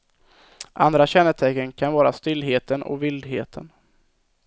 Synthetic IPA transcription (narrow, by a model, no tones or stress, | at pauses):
ʔa̰nd̪ɾaɕɛnːət̪ʰɛkːənkʰanvɑːɾast̪ɪlːɦeːt̪ənɔ̰vɪld̪ɦeːt̪ʰən